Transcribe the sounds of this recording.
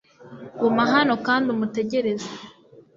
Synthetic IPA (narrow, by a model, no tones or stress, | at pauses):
ɡumaɦano̞kaːndiumute̞ɟe̞ɾe̞ze